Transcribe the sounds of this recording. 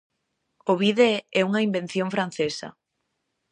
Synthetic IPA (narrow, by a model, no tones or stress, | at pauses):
ʊβiðeɛuŋɐimben̟θjõŋfɾanθesɐ̰